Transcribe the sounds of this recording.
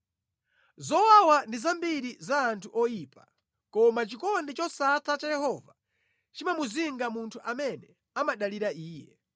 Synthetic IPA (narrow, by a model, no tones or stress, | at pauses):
zɔwawandizambiɾizaːntʰuʔɔjiːpa | kɔmat͡ʃikɔndɛt͡ʃɔsatʰat͡ʃajɛhɔva | t͡ʃimamuziŋɡamuntʰuʔamɛnɛ | amaɗaliɾaiːjɛ